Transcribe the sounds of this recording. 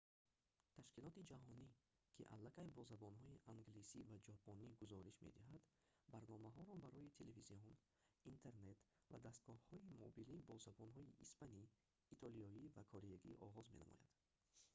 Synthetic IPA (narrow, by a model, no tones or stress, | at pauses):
t̪ʰaʃkilɔt̪id͡ʒaɦɔni | kʰiʔa̰lːakajbɔzabɔnɦɔiʔaŋɡlisivad͡ʒɔpʰɔniɡuzɔɾiʃmḛd̪iɦad̪ | baɾnɔmaɦɔɾɔbaɾɔjit̪ʰeleviziɔn | int̪ʰe̞ɾne̞t̪ | va̰d̪ast̪̚ɡ̥ɔhhɔimɔbilibɔzabɔnɦɔiʔispaniː | t̪ʰɔlijɔivakʰɔɾejaɡḭʔɔ̰ʁɔzme̞na̰mɔ̰ja̰d̪̥